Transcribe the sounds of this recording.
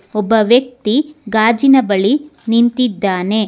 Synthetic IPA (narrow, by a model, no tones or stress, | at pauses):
ɔbːɐʋjɐk̚t̪iɡaːd͡ʒinɐbɐɭinint̪id̪ːaːne̞